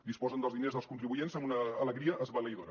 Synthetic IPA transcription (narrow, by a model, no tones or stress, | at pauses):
d̪ispɔzənd̪əlzðinezðəlˠskunt̪ɾiβujenzɐmbunəːləɣɾiəʔəzβələiðoɾə